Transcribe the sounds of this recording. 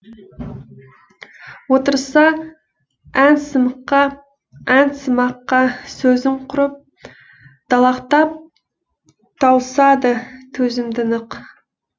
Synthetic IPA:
wot̪əɾsɑ | ænsəməqːɑ | ænsəmɑqːɑsɵzɪɴqʰʊɾəp̚ | d̪̥ɑlˠɑqt̪ɑp̚ | t̪ʰɑwsɑd̪ət̪ʰɵzɪmd̪ɪnəq

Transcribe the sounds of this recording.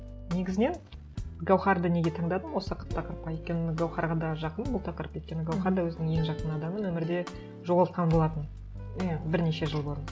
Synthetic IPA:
ne̞ɡʲɪzɪne̞n | ɡawχɑɾd̪əne̞ɡʲe̞t̪ʰɑɴd̪ɑd̪əmwo̞səqʰə̥t̪ʰːɑqəɾəp̚qɑjejt̪̚kʲe̞nɪɡawχɑɾʁɑd̪ɑʒɑqənbʊlˠt̪ʰɑqəɾəpet̪̚kʲe̞nɪɡawχɑɾd̪ɑwɵzɪnɪŋje̞ŋʒɑqənɑd̪ɑmənwɵmɪɾd̪e̞ | ʒo̞ʁɑlˠət̪̚qʰɑnbolˠɑt̪ən | bɪɾne̞ʃe̞ʒəlˠboɾən

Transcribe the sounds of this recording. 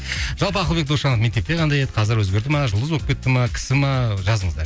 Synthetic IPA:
ʒ̥ɑlˠpəɑqlˠbekd̪uʃɑnəfme̞k̚t̪e̞p̚t̪ʲeqʰɑnd̪ɑjed̪ɪ̥qʰɑzɪɾwɵzɡʲe̞ɾd̪ɪmɑʒʊlˠd̪əzwoə̥pkʰʲet̪ːɪmɑkʲʰɪ̥sɪmɑʒɑzəɴəzd̪ɑ̰ɾ

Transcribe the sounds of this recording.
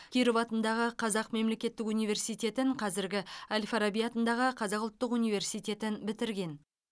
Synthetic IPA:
kʲʰiɾɪvɑt̪ənd̪ɑʁəqʰɑzɑqme̞mle̞kʲe̞t̪ːɪkunijvʲe̞rsijt̪ʲe̞t̪ɪɴqʰɑzɪɾɡʲɪalʲfaɾabijat̪ənd̪ɑʁəqʰɑzɑqʊlˠt̪ːəqunijve̞ɾsijt̪ʲe̞t̪ɪnbɪt̪ɪɾɡʲe̞n

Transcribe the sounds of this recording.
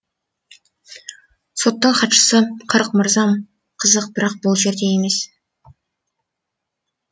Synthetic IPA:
so̞t̪ːəɴχʰɑt̪ʃə̥səqʰəɾqməɾzɑm | qʰəzəq̚bɪɾɑq̚bʊlˠʒe̞ɾd̪e̞jeme̞s

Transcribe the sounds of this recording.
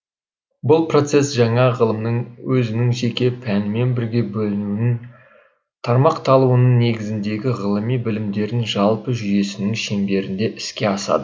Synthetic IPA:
bʊlˠpro̞t̪se̞sʒɑɴɑʁəlˠəmnəɴwʔɵzɪnɪŋʒe̞kʲe̞pʰænɪme̞nbɪɾɡʲe̞bɵlɪnunɪŋ | t̪ʰɑɾmɑqt̪ʰɑlˠuwənəɴne̞ɡʲɪzɪnd̪e̞ɡʲɪʁəlˠəmijbɪlɪmd̪e̞ɾɪnʒɑlˠpəʒʏje̞sɪnɪŋʃembe̞ɾɪnd̪e̞ʔɪskʲe̞ɑsɑ̰d̪ə

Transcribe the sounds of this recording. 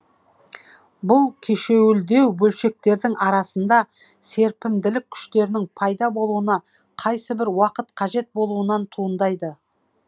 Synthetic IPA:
bʊlˠkʲʰeʃe̞wɪld̪e̞wbɵlʃe̞k̚t̪e̞ɾd̪ɪŋɑɾɑsənd̪ɑ | se̞ɾpɪmd̪ɪlɪkʲʰʏ̥ʃt̪e̞ɾɪnɪŋpʰɑjd̪ɑbo̞lˠuənɑ | qʰɑjsəbɪɾwɑqət̪qʰɑʒe̞t̪̚bo̞lˠuənɑnt̪ʰuənd̪ɑjd̪ə

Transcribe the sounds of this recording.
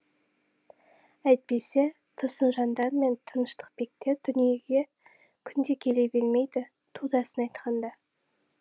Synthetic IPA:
æjt̪̚pe̞se | t̪ʰʊsənʒɑnd̪ɑɾme̞nt̪ʰənəʃt̪ə̥q̚be̞k̚t̪e̞d̪ʏnije̞ɡʲe̞ | kʲʰʏnd̪e̞kʲʰe̞le̞be̞lme̞jd̪ɪ | t̪ʰud̪ɑsənɑjt̪qʰɑnd̪ɑ

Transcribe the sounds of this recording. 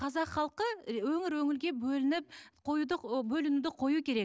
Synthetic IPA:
qʰɑzɑqχɑlˠqəwɵŋɪɾwɵŋɪlɡʲe̞bɵlɪnɪp̚qʰo̞jud̪əbɵlɪnud̪ɪqʰo̞jukʲʰe̞ɾe̞k̚

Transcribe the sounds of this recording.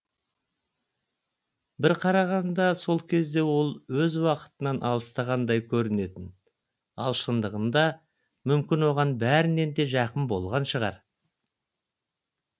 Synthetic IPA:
bɪɾqʰɑɾɑʁɑnd̪ɑso̞lˠkʲʰe̞zd̪e̞wo̞lˠwɵzwɑqə̥t̪ənɑnʔɑ̰lˠəst̪ɑʁɑnd̪ɑjkʲʰɵɾɪne̞t̪ɪn | ɑ̰lˠʃənd̪əʁənd̪ɑ | mʏmkʲɪnwo̞ʁɑnbæɾɪnːe̞nd̪e̞ʒɑqənbo̞̰lˠʁɑnʃəʁɑ̰ɾ

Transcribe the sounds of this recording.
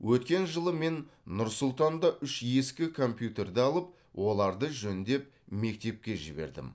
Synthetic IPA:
wʔɵt̪̚kʲe̞nʒəlˠəme̞nːʊɾsʊlˠt̪ɑnd̪ɑʔʏʃje̞skʲɪkʰo̞mpjut̪e̞rd̪eɑlˠəp̚ | wo̞lˠɑɾd̪əʒɵnd̪e̞p̚ | me̞k̚t̪e̞p̚kʲe̞ʒɪ̰be̞̰ɾd̪ɪ̰m

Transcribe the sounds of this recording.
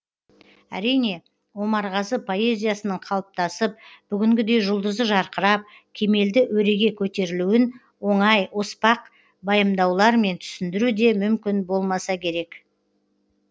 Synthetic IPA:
æ̰ɾijne̞ | wo̞mɑɾʁɑzəpʰo̞e̞zʲijasənəɴqʰɑlˠəp̚t̪ɑsəp̚b̥ʏɡʲɪŋɡʲɪd̪e̞jʒʊlˠd̪əzd̪əʒɑɾqəɾɑp̚ | kʲʰe̞me̞ld̪ɪʔwɵɾe̞ɡʲe̞kʲʰɵt̪e̞ɾɪluwɪn | wo̞ɴɑjospɑq | bɑjəmd̪ɑwlˠɑɾme̞nt̪ʰʏ̥sɪnd̪ɪɾud̪e̞mʏmkʲɪnbo̞lˠmɑsɑkʲʰe̞ɾe̞k

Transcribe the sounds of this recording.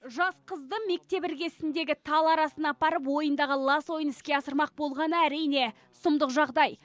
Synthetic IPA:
ʒɑsqʰəzd̪əme̞k̚t̪e̞pɪɾɡʲe̞sɪnd̪e̞ɡʲɪt̪ʰɑlˠɑɾɑsənɑpɑɾəp̬wo̞jənd̪ɑʁəlˠɑswo̞jənɪskʲe̞ɑsəɾmɑq̚bo̞lˠʁɑnəæɾijne̞ | sʊmd̪əqʒɑʁd̪ɑj

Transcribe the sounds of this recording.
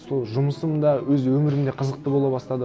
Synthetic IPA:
so̞lˠʒʊməsəmd̪ɑwɵzwɵmɪɾɪmd̪e̞qʰəzəq̚t̪əbo̞lˠɑbɑst̪ɑd̪ə

